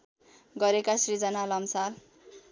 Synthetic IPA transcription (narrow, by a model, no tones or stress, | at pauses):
ɡʌɾekasrid͡zʌnalʌmsal